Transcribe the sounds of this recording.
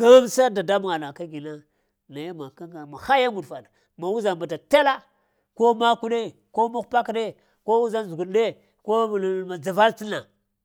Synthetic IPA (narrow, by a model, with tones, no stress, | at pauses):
ɡ̥a˦msa˦da˨da˦m˨ŋa˨na˨ka˦ɡi˨na˦ | na˨ja˦ma˨ka˦ɡa˨ma˨xa˦ja˦ŋu˨dfa˨n˨ | ma˨wu˦za˨ba˨ta˨ta˦la˦ | ko˦ma˦ku˦ɗe˦ | ko˦ma˦xpa˦kɗe˦ | ko˦wu˦za˦nzu˨ɡu˨n˦ɗe˦ | ko˦˨ma˨d͡za˨va˦lti˦na˨